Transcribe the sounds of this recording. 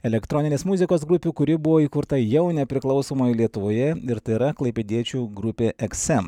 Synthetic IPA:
ɛlʲɛkt̪ɾɔːnʲɪnʲeːsmʊzʲɪkoːsɡɾʊpʲuːkʊɾʲɪbʊʋoːiːkʊɾt̪ɐjɛʊnʲɛpʲɾʲɪklˠɒʊsoːmoːjlʲiɛt̪ʊʋoːjɛɪɾt̪ɐɪɾɐklˠɐɪpʲeːd̪ʲiɛt͡ʃʲuːɡɾʊpʲeːʔɛksɛm

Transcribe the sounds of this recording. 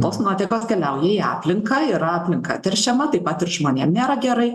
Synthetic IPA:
t̪oːsnoːt̪ʲɛkoːskʲɛlʲɛʊjɛiːɑ̰ːpʲlʲɪŋkɐɪːɾɐɑːpʲlʲɪŋkɐ̰t̪ʲɛɾʲʃʲɛmɐt̪ɐɪpɐt̪ɪɾʒmoːnʲeːmnʲeːɾɐɡʲɛɾɐɪ

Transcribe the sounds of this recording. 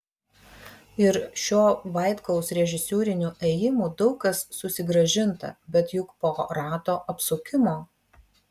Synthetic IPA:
ɪɾʃʲoːʋɐˑɪt̪kɔʊsɾʲɛʒʲɪsʲuːɾʲɪnʲuːʔɛjɪmuːd̪ɒʊkɐsːʊsʲɪɡɾɐʒʲɪnt̪ɐ̰bʲɛt̪jʊkpoːɾɑːt̪oːʔɐpsʊkʲɪmoː

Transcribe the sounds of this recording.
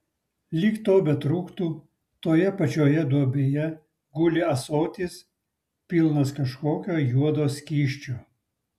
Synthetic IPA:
lʲiːkt̪oːbʲɛt̪ɾuːkt̪uː | t̪oːjɛpɐt͡ʃʲoːjɛd̪uɔbʲeːjɛ | ɡʊlʲɪɐsoːt̪ʲiːs | pʲilˠnɐskɐʃkoːkʲoːjuɔd̪oːsʲkʲiːʃʲt͡ʃʲoː

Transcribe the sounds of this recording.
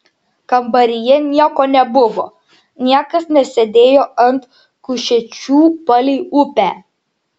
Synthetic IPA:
kɐmbɐɾʲɪjɛnʲiɛkoːnʲɛbʊʋoː | nʲiɛkɐsnʲɛsʲɛd̪ʲeːjoːɐnt̪ | kʊʃʲɛt͡ʃʲuːpɐlʲiɪʊpʲæː

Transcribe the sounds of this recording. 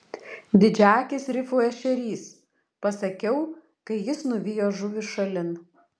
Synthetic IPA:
d̪ʲɪd͡ʒʲæːkʲɪsɾʲɪfujɛʃʲɛɾʲiːs | pɐsɐkʲɛʊ | kɐɪjɪsnʊʋʲɪjoːʒʊʋʲɪʃɐlʲɪn

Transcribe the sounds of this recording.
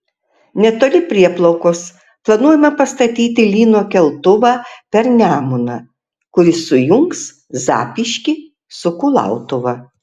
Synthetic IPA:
nʲɛt̪oːlʲɪpʲɾʲiɛplˠɐʊkoːs | plˠɐnuɔjɛmɐpɐst̪ɐt̪ʲiːt̪ʲɪlʲiːnoːkʲɛlˠt̪ʊʋɑːpʲɛɾnʲæːmʊnɐ̰ː | kʊɾʲɪsʊjʊŋks | zɑ̰ːpʲiʃʲkʲɪ | sʊkʊlˠɑ̰ˑʊt̪ʊʋɐ

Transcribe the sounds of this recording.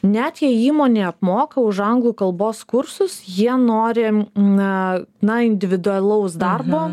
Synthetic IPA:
nʲæt̪jiɛiːmoːnʲeːɐpmoːkɐʊʃɐŋɡlˠuːkɐlˠboːskʊɾsʊsjiɛnoːɾʲɪ | nɐɪnʲd̪ʲɪʋʲɪd̪ʊɐlʲˠɐʊsd̪ɐrboː

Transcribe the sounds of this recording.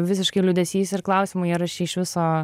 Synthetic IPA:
ʋʲɪsʲɪʃkɐɪlʲʊd̪ʲɛsʲiːsʲɪɾklˠɐʊsʲɪmʊiɾɐʃʲɛɪʃʋʲɪsoː

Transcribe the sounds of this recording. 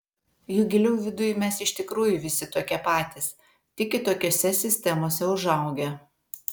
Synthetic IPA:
juɡʲɪlʲɛʊʋʲɪd̪ʊjmʲɛsɪʃʲt̪ʲɪkɾuːjʊʋʲɪsʲɪt̪oːkʲɛpɑːt̪ʲɪs | t̪ʲɪkʲɪt̪oːkʲoːsʲɛsʲɪsʲt̪ʲɛmoːsʲɛʊʒɐˑʊɡʲɛ

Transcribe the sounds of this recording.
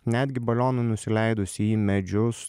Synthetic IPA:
nʲæːd̪ʲɡʲɪbɐlʲoːnɐnʊsʲɪlʲɛɪd̪ʊsʲiiːmʲɛd͡ʒʲʊss

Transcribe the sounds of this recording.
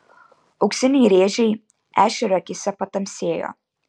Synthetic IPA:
ɐʊksʲɪnʲɛjɾʲeːʒʲɛj | æːʃʲɛɾɐkʲɪsʲɛpɐt̪ɐmʲsʲeːjo̰ː

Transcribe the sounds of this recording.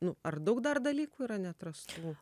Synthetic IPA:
nʊɐrd̪ɐʊkd̪ɐrd̪ɐlʲiːkuːiːɾɐnʲɛt̪ɾɐst̪uː

